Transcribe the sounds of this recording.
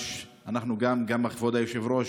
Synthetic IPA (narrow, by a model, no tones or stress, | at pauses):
anaχnuɡamɡamaχvod̪ajoʃevɾoʃ